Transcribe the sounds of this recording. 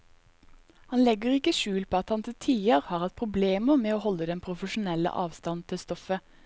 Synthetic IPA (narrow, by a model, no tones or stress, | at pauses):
hɑnlɛɡəʁɪkəʃʉːlpʰoːɑt̪hɑnt̪ɪlt̪ʰiːəʁhɑːʁhɑt̪̚pʰʁʊbleːməmeːoːhɔlːəd̪ɛnpʰʁʊfəʃʊnɛlə̰ʔɑːʋst̪ɑnt̪ʰɪlst̪ɔfə